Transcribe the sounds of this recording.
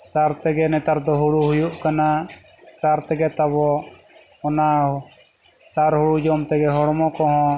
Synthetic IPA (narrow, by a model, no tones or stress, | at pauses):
saɾt̪ɛɡɛnɛt̪aɾd̪ɔɦuɽuɦujuʔkana | saɾt̪ɛɡɛt̪aβɔ | ɔna | saɾhuɽud͡ʒɔmt̪ɛɡɛɦɔɽɔmɔkɔɦɔ̃